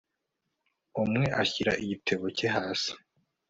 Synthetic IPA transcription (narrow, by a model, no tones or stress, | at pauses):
umŋe̞ʔaçiɾa̰ʔiɟitʰeβoceɦaːsi̥